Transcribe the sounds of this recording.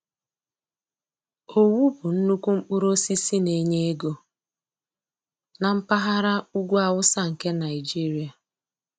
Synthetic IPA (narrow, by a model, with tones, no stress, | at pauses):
o˨wu˦bʊ˨n̩˦nu˦kʷu˦m̩˦k͡pu˦ɾo˦si˦si˦ne˨ɲe˦e˦ɡo˦ | na˨m̩˦pa˦ɦa˦ɾa˦u˦ɡʷu˦a˦˨wʊ˦sa˦ŋ̩˨ke˦na˨ɪ˨d͡ʒi˦ɾi˨a˨